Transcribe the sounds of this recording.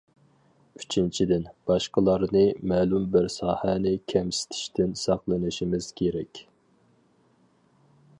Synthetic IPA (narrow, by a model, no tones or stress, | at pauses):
yt͡ʃʰint͡ʃʰid̪ɪnb̥ɑʃqəlˠɑɾnɨmɛːlˠumbɪɾsɑːhænɪkʲʰɛmsɪ̥t̪ʰɪ̥ʃt̪ɪnsɑqlˠɨnɪʃimɪz̥kʲʰeɾɛkʲ